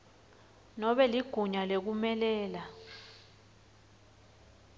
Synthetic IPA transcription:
nɔɓɛliɡ̥ʱuɲalek̬umɛlɛːla

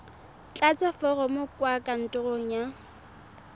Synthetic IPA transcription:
t͡ɬʼat͡sʼafɔrɔmɔkʼwakʼan̩tʼʊroŋ̩ja

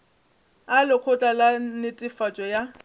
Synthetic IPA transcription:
alɪq͡χʰʊt͡ɬʼalanɪtʼɪfat͡ʃʼɔja

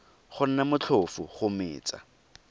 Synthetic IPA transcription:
χʊn̩namʊt͡ɬʰʊfʊχʊmɪ̰ːt͡sʼa̰

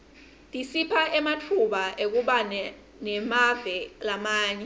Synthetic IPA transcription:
tʼisipʰaɛmatʰuɓaʔek̬uɓanɛ | nɛmav̥ɛlamaːɲɛ

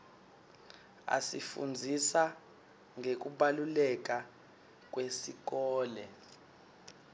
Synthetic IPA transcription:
a̰sifṵnd͡zʱisa | ŋek̬uɓalulɛk̬a | k̬ʼwesik̬ɔːlɛ

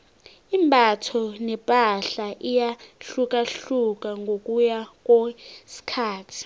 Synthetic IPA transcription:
imbʱatʰɔnɛpʼaɬaʔijaɬuk̬ʼaɬuk̬ʼaŋɡʱokʼujak̬ʼɔsi̥kʰaːtʰi̥

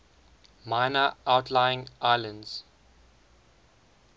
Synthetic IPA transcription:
maɪnəʔaʊtʰlaɪɪ̃ŋʔaɪlə̃ndz̥

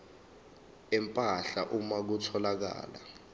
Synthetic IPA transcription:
ɛmpʼaɬaʔumak̬utʰɔlak̬a̰ːla

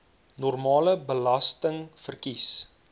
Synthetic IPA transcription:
nɔrmɑːləbəlɐstəŋfərkis

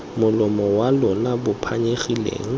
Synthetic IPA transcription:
mʊlʊmɔwalʊnabʊpʰaɲeχilḛːŋ̩

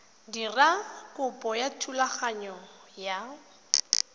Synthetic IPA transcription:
dirakʼʊpʼɔjatʰulaχaɲɔ | ja

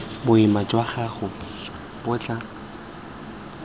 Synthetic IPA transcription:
bʊɪmat͡ʃʼwaχaχʊ | bʊt͡ɬʼa

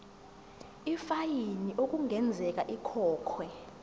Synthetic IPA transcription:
ifajiniʔok̬ʼuŋʱɛnd͡zʱɛk̬ʼaʔikʰɔːkʰwɛ

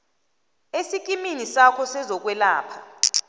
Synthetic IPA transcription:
esik̬ʼiminisakʰɔsɛzɔk̬wɛla̰ːpʰa

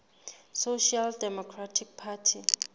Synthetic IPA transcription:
soʃialdɛmɔkʰratʰik̚pʰatʰi

